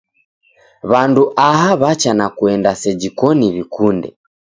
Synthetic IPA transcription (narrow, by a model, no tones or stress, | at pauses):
βanduʔaɦaβat͡ʃanakuɛndasɛd͡ʒikɔniβikundɛ̰